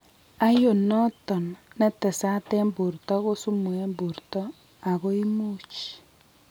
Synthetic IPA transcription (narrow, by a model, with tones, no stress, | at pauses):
a˦jo˨nɔ˦tɔ˨nːɛ˦tɛ˨sa˦tɛ˦mbu˨rtɔ˦ko˦su˦mu˨ɛ˦mbu˨ɾtɔ˦ | a˨ɣo˦i˦mu˦t͡ʃ